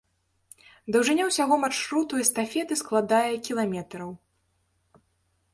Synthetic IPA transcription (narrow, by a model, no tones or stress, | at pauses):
d̪ɐwʐɨnʲawsʲaɣɔmarʂɾut̪uɛst̪afʲɛt̪ɨsklˠad̪ajɐkʲilˠamʲɛt̪ɾɐw